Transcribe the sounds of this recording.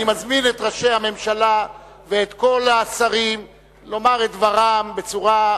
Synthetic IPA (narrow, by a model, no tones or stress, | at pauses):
imazminet̪ʁaʃe̞jhame̞mʃala | veːt̪ko̞laːsaʁim | lo̞maʁet̪̚dvaʁambe̞t͡suʁa